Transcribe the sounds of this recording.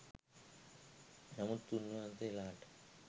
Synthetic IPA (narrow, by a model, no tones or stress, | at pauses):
nɐmut̪ːunːuɐnt̪elaːʈ